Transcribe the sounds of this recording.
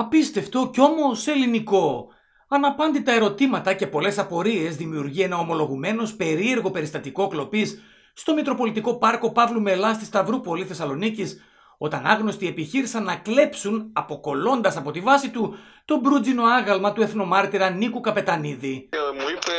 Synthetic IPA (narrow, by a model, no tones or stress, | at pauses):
ɐpist̪e̞ft̪o̞co̞mo̞se̞liniko̞ | ɐnɐpɐnd̪it̪ɐe̞ɾo̞t̪imɐt̪ɐce̞po̞le̞sɐpo̞ɾie̞zðimiuɾʝie̞nɐo̞mo̞lo̞ɣume̞no̞spe̞ɾie̞ɾɣo̞pe̞ɾist̪ɐt̪iko̞klo̞pisː | t̪o̞mik̪ɾo̞po̞lit̪iko̞pɐɾko̞pɐvlume̞lɐst̪ist̪ɐvɾupo̞liθe̞sɐlo̞nicis | o̞t̪ɐnɐɣno̞st̪ie̞piçiɾisɐnːɐkle̞psunɐpo̞ko̞lo̞nd̪ɐsɐpo̞t̪ivɐsit̪u | t̪o̞bɾud͡zino̞ɐɣɐlmɐt̪ue̞θno̞mɐɾt̪iɾɐnikukɐpe̞t̪ɐniði